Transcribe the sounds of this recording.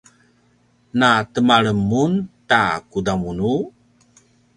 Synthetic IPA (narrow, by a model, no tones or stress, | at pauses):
natəmaɭəmːunta̰kudamunu